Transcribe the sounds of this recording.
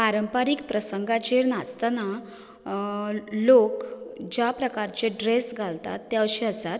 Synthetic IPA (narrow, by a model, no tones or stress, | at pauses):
paɾəmpaɾiːkpɾəsəŋɡat͡ɕeɾnast̪ana | lokd͡ʑjapɾəkaɾt͡seɖɾesɡʱalt̪a̰t̪ːjaəɕiəsat̪